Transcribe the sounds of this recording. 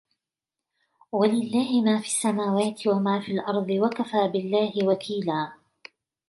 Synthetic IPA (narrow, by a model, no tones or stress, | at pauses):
walɪlːaːhɪmaːfiːsːamaːwaːt̪ɪwamaːfiːlʔɑɾˤd̪ˤɨwakafaːbɪlːaːhɪwakʰiːlaː